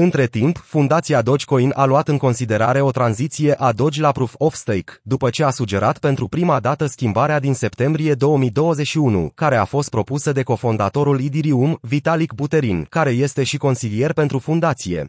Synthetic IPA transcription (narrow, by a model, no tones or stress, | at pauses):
ɨnt̪ɾe̞t̪impfund̪at̪siad̪o̞d͡ʒʲko̞inʔaluat̪ɨŋko̞nsid̪e̞ɾaɾe̞o̞t̪ɾanzit̪sije̞ʔad̪o̞d͡ʒʲlapɾufofst̪ejkd̪upət͡ʃe̞asud͡ʒe̞ɾat̪pe̞nt̪ɾupɾimad̪at̪əskʲimbaɾead̪inse̞pt̪e̞mbɾije̞d̪o̞wəmid̪o̞wəzeʃiunṵkaɾe̞afo̞st̪̚pɾo̞pusəd̪e̞ko̞fo̞nd̪at̪o̞ɾulid̪iɾiumvit̪alikbut̪e̞ɾinkaɾe̞je̞st̪e̞ʃiko̞nsilije̞rpe̞nt̪ɾufund̪at̪sije̞̰